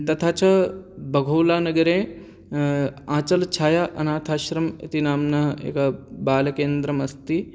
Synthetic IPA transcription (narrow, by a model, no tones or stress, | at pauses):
t̪ɐt̪ʰaːt͡ʃɐbʱɐɡʱoːlaːnɐɡɐɾẽː | ãːt͡ʃɐlt͡ʃʰaːjaːʔɐnaːt̪ʰaːʃɾɐmḛt̪inaːmnɐɦḛːkɐbaːlɐkeːnd̪ɾɐmɐst̪i